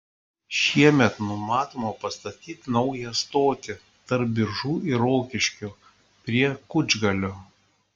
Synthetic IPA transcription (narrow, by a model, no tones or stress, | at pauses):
ʃʲiɛmʲɛt̪nʊmɑːt̪oːmopɐst̪ɐt̪ʲiːt̪nɒʊjɛst̪oːt̪ʲɪ | t̪ɐɾp̚bʲɪɾʒuːʔɪɾoːkʲɪʃʲkʲu | pʲɾʲiɛkʊd͡ʒʲɡɐlʲoː